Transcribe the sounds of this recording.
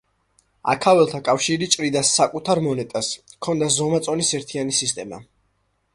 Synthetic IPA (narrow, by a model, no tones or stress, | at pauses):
a̰kʰavɛlˠt̪ʰakʼafʃiɾit͡ʃʼɾid̪asːakʼut̪ʰaɾmɔnɛt̪ʼaskʰɔnd̪azɔmat̪sʼɔnisɛɾt̪ʰianisist̪ʼɛma̰